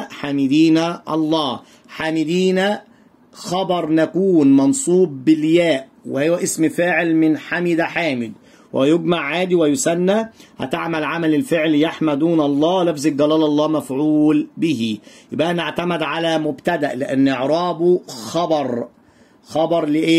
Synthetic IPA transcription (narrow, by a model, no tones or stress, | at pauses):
ħaːmɪd̪iːnæʔɑ̰lˤːɑː | ħaːmɪd̪iːnæ | xɑbɑɾˤnækuːnmɑnsˤuːb̚ːɪljæːʔ | wɪhowːæʔɪsmfaːʕɪlmɪnħamɪd̪æħaːmɪd̪ | wʔjʊɡmaʕːaːd̪iwɪjʊsænːæhæ̰t̪aʕmælʕamælɪlfɪʕljaħmæd̪uːnʔɑlˤːɑːwlæfzɪkɡælæːlʔɑlˤːɑːmæfʕuːlbɪhijɪbʔæʔænaʕt̪æmɪd̪ʕalæmʊbt̪æd̪æʔlɪʔanːʔeʕɾˤɑːboxɑbɑɾˤ | xɑbɑɾˤlɪʔeː